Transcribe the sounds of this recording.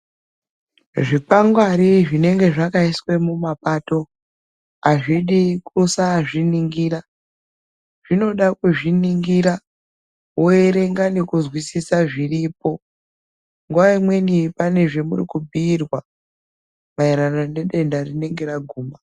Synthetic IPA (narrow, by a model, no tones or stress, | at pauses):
ʐipaŋɡwaɾiʐine̞ŋɡe̞ʐakaiswe̞mumapato̞ | aʐiɗikusaʐiniŋɡiːɾa | ʐ̥ino̞ɗakuʐiniŋɡiɾa | oeɾe̞ŋɡane̞kuzwisisaʐiripo̞ | ŋɡuʋaimwe̞nipane̞ʐe̞mṵrikubʱiːrwa | maiɾanone̞ɗe̞ndarine̞ŋɡe̞ɾaɡʱuːma